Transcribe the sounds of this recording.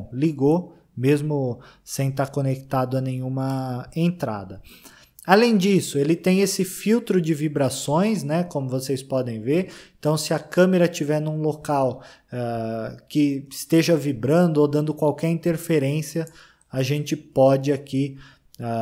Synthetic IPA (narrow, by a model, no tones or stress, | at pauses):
liɡo | mezmʊ | sẽj̃t̪aɾkonekt̪ad̪ʊɐnẽj̃ũmɐẽnt̪ɾa̰d̪ɐ | alẽj̃d͡ʒisʊelɪt̪ẽj̃esɪfiwt̪ɾʊd͡ʒɪvibɾasõj̃snɛkõmʊvosejspɔd̪ẽj̃veɾẽt̪ɐ̃w̃sɪɐkɐ̃meɾɐt͡ʃivɛɾnũlokaw | ɛkɪɪst̪eʒɐvibɾɐ̃nd̪ʊod̪ɐ̃nd̪ʊkwawkɛɾĩnt̪eɾfeɾẽsiɐ | aʒẽnt͡ʃɪpɔd͡ʒɪaki | a